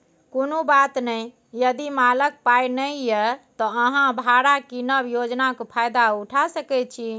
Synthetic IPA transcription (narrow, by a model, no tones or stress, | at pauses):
konobat̪nəj | jəd̪imalək̚pajnəjjɛt̪ɔəɦãbʱaɽakinəbjod͡ʒnakpʰajd̪auʈʰasəkɛt͡ʃʰi